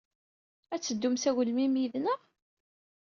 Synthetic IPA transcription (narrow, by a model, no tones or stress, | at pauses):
æt͡sːəd̪ːumsæɣlmimjiðnəʁ